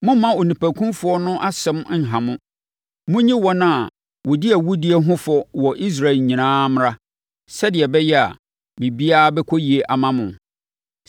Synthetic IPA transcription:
mʊ̃˦mːã˦o˨nĩ˨pæ˨kʰũ˦mfʊ˨˦ɔ˦nʊ̃˦ʔa˦sɛ̃˦m̩˦˨ɦã˨mʊ̃˦ | mʊ̃˦ɲĩ˦wɔ˨nã˦˨ | wʊ˨dɪ˦æ˨wu˦di˦ɛ˨ɦʊ̃˦fɔ˦wɔ˨ʔi˦s̬ɾa˨ɲĩ˨nãː˦m˦ɾa˦ | sɛ˦dɪ˨ɛ˨bɛ˦jɛ˦a̰˨ | mĩ˨bi˦aː˦bɛ˦kʰɔ˦ji˨e˨ʔa˨mã˦mʊ̃˨

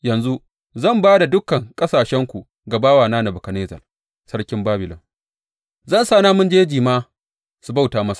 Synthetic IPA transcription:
jɐ˨nzu˦ | zɐ˦˨mbaː˦da˨dʊ˦kɐ˨ŋkʼɐ˦saː˨ʃɛ˦ŋkʷu˨ | ɡa˨baː˦waː˨naː˦na˨bʊ˨kɐ˨neː˦zɐ̰˨r | sɐ˦ɽkʲɪ˦mbaː˦bɪ˨lɔ˨ŋ | zɐ˦˨nsaː˦naː˦mʊ˦nd͡ʒeː˦d͡ʒiː˨maː˦ | su˨ba˦wtaː˨˦mɐ˦sḁ˨

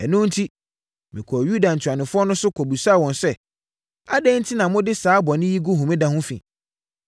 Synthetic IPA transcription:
ɛ˨nʊ̃˦n̩˦tʰi˦ | mɪ̃˨kʰɔ˨ju˦da˨n̩˨tʰᶣa˨nɪ̃˨fʊ˦ɔ˦nʊ̃˦sʊ˦kʰɔ˨bu˨sa˦˨wɔ̃˨nsɛ˦ | a˦dɛ̃˦n̩˦tʰi˦nã˨mʊ̃˦dɪ˦saː˨˦bɔ˨nɪ̃˦ji˦ɡu˦ɦũ˨mĩ˦dã˦hʊ̃˦fḭ̃˨

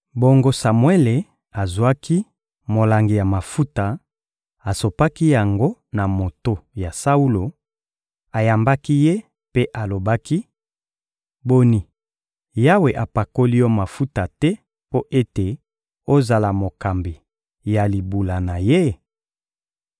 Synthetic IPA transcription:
bo˨ŋɡo˦sa˨mwe˦le˨ | a˨zu˨a˦ki˦ | mo˨la˨ŋɡi˨ja˨ma˨fu˦ta˨ | a˨so˨pa˦ki˦ja˨ŋɡo˦na˨mo˨to˦ja˨sa˦u˦lo˨ | a˨ja˨mba˦ki˦je˦ | pe˦ʔa˨lo˨ba˦ki˦ | bo˦ni˨ | ja˦we˨ʔa˨pa˨ko˦li˦jɔ˦ma˨fu˦ta˨tɛ˦ | po˦ʔe˦te˨ | o˦za˨la˨mo˨ka˨mbi˨ | ja˨li˨bu˨la˨na˨je˦

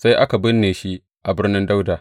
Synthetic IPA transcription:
sa˦jʔa˦ka˨bɪ˦nːeː˨ʃi˦ʔ | ʔa˨bɪ˦rnɪ˦nda˦wdaː˨

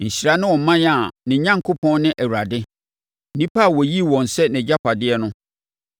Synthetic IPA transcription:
ɲ̩˨ɕi˨ɾa˦nɪ̃˦wɔ̃˨m̩˦mã˦ja˨nɪ̃˨ɲã˦ŋkʰʊ˦pʰɔ̃˦nnːɪ̃˦ʔæ˨wu˨ɾa˨dɪ˦ | nĩ˦pʰa˦˨wɔ˨ji˦wɔ̃˨n̩˨sɛ˦nɪ̃˨d͡ʑa˦pʰa˨dɪ˦ɛ˦nʊ̃˦

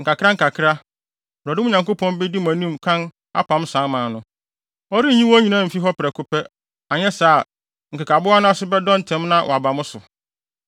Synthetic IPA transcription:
ŋ̩˨ka˨kʰɪ˦a˦ŋ̩˨kʰa˨kʰɪ˦ɾa˦˨ | ɾɔ˨dɪ˦ʊ̃˦ɲã˨ŋko˦pʰɔ̃˦nbɪ˦di˦mæ̃˨nĩ˦mkʰã˦n | a̰˦pʰã˨˦msã˨˦mã˨nʊ̃˦ | ɔ˦ɾi˦ɲĩ˦wɔ˦ɲĩ˨nã˦˨m̩˨fi˦ɦɔ˦pɪ˨ɾɛ˨kʰʊ˦pʰɛ˦ | a˨ɲɛ˦saː˦˨ | ŋ̩ka˨kʰa˨bʊ˦a˦nʊ̃˦a˦sʊ˦bɛ˦dɔ̃˦n̩˨tʰɛ̃˨˦mnã˦wʔɔ˨a˨ba˨mʊ̃˦sʊ˨

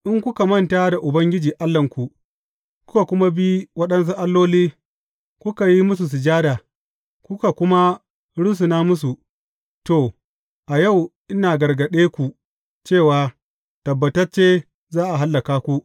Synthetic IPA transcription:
ʔɪ˦ŋkʷʊ˦ka˨mɐ˦nta˦da˨ʔʊ˨bɐ˦ŋɡʲɪ˦d͡ʒiː˨ʔa˦lːɐ˨ŋkʷu˨ | kʷʊ̥˦ka˨kʷʊ˦ma˦bi˦wɐ˦ɗɐ˦ns̬u˦ʔa˦lːoː˦liː˦ | kʷʊ˦ka˨ji˦mʊ˦s̬u˨s̬ɪ˨d͡ʒaː˦daː˨ | kʷʊ˦ka˨kʷʊ˦ma˦ | ɽʊ˦s̬u˨naː˦mʊ˦s̬u˨ | to˨ | ʔa˨ja˦˨wʔɪ˦naː˨ɡɐ˨rɡɐ˨ɗeː˦kʷu˨ | t͡ʃeː˦˨waː˨ | tɐ˨bːɐ˨tɐ˦t͡ʃeː˦ | zaː˦ʔa˨ɦa˦lːɐ˨kaː˦kʷu˦ʔ

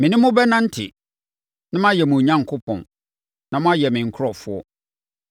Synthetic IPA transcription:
mɪ̃˨nɪ̃˦mʊ̃˦bɛ˦nã˦n̩˦tʰɪ̰˨ | nã˦mã˦jɛ˨mũ˨ɲã˦ŋkʰʊ˦pʰɔ̰̃˨n | nã˦mʊ̃˦a˦jɛ˨mɪ̃˨ŋ̩˨kʰʊ˦ɔ˨fʊ˦ɔ˦

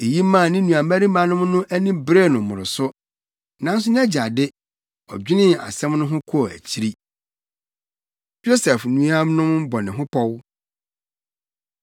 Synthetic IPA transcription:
e˨ji˦mã˦˨nɪ̃˦nũ˨a˨mæ˦ɾi˦mã˨nʊ̃˦mnʊ̃˦ʔæ˦nĩ˦bɾe˦˨nʊ̃˨mʊ̃˨ɾɪ˨sʊ˦ | nã˦n˦sʊ˦n˦ɛ˦d͡ʑa˨dɪ˦ | ɔ̰˨d͡ʑᶣi˦nɪ̃˦˨a̰˨sɛ̃˦mnʊ̃˦ɦʊ̃˦kʰʊ˦ɔ˨æ̰˨t͡ɕʰi˦ɾi˦ | jo˦sɛ˨fnũ˦a˦mnʊ̃˦mbɔ˨nɪ̃˨ɦʊ̃˦pʰɔ˦w

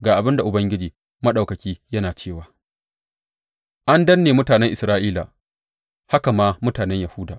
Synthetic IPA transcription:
ɡaː˨ʔa˨bɪ˦nda˨ʔʊ˨bɐ˦ŋɡʲɪ˦d͡ʒiː˨ | mɐ˦ɗa˨kɐ˨kʲiː˦jɐ˦naː˨t͡ʃeː˦˨waː˨ | ʔa˦ndɐ˦nːeː˨mʊ˦taː˨nɛ˦ŋʔɪ˨sɾaː˦ʔiː˦la̰˨ | ha˦ka˨maː˦mʊ˦taː˨nɛ˦ɲjɐ˨huː˦da̰ː˨ʔ

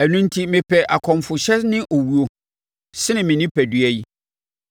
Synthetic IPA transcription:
æ˨nũ˦n˦tʰi˦mɪ̃˨pʰɛ˨ʔa˨kʰɔ̃˨mfʊ˨ɕɛ˦nɪ̃˦ʔo˨wu˨o˨ | sɪ˦nɪ̃˨mɪ̃˨nɪ̃˦pʰæ˨dɥæ˦ji˦

